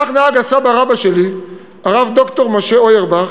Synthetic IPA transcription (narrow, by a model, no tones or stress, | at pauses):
aχneaɡasabaʁabaʃe̞li | aʁavd̪o̞kt̪o̞ʁmo̞ʃe̞ojeʁbaχ